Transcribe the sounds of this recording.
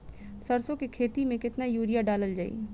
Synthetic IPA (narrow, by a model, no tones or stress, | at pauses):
sɐɾsõkekʰeːt̪imẽkɪt̪najuːɾijaɖaːləld͡ʒaːḭː